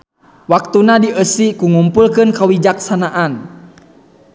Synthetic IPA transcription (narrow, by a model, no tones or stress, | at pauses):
wak̚t̪unadiʔəsikuŋumpulkɨnkawid͡ʒaksanaʔan